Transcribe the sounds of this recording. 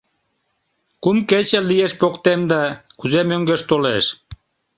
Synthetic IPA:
kumket͡ɕĕlijeʃpokt̪emd̪ɑkuzemøŋɡøʃt̪oleʃ

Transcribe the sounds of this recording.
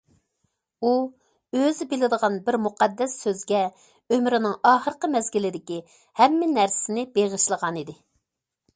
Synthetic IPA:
u | øzɪbɪlɪd̪əʁɑnbɪɾmuqʰɑd̪ːɛsːøzɡʲɛ | ømɾɪnɪŋɑːχəɾqəmɛzɡʲilɪd̪ɪkʲi | hɛmːɪnæɾsɪnɪbeʁəʃlˠəʁɑnid̪ɪ

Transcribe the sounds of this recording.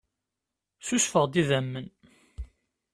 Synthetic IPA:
susfəʁd̪iðæmːən

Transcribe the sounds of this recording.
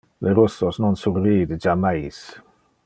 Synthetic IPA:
lɛɾʊsɔsnɔnsʊrriːdəd͡ʒamajs

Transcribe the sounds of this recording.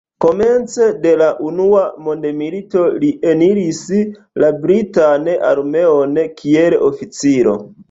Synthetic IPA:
ko̞me̞nt͡se̞de̞laʔunuamo̞ndemilito̞liʔe̞niɾis | labɾitanʔa̰ɾme̞o̞nkʰielʔofit͡siɾo̞̰

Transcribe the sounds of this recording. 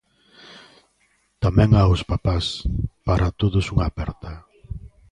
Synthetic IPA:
t̪amɛ̃ŋaʊspapaspaɾʔat̪oðʊsuŋapɛɾt̪a

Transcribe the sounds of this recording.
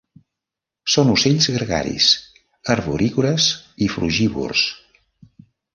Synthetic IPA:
sonuseʎzɣəɾɣa̰ɾḭs | əɾβuɾʔiɣuɾəsifɾuʒiβṵrs

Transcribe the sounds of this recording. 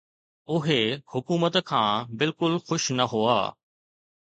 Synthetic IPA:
ʊɦehʊkuːmət̪kʰãːbɪlkʊlxʊʃnɐɦoa̰ː

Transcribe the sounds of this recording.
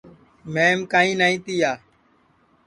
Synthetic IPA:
mẽːmkaːĩːnaːĩːt̪iːjaː

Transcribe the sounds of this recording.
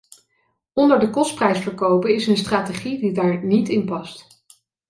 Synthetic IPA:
ɔndəɹdəkɔst̚prɛjsfəɹkowpənɪsənstraːteχididaːɹnitɪnpɑst

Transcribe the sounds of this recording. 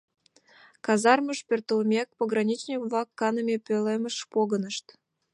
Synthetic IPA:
kɑzɑrməʃpʲert̪əlmʲek̚poɣrɑnʲit͡ɕnʲikvlɑkːɑnəmʲepøleməʃpoɣənəʃt̪

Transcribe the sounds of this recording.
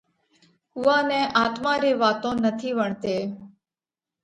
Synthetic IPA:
ʊʋãːnẽːʔaːt̪mãːɾeːʋaːt̪õːnət̪ʰiːʋəɳt̪eː

